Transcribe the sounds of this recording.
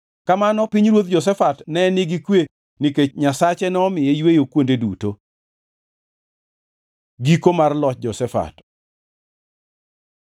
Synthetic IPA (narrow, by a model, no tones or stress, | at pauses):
kamanɔpiɲɾwot̪̚d͡ʒɔs̬ɛfatnɛniɡikwe | niket͡ʃɲasat͡ʃɛnɛɔmɪjejwejokwondeduto | ɡikomarlɔt͡ʃd͡ʒɔsɛfa̰t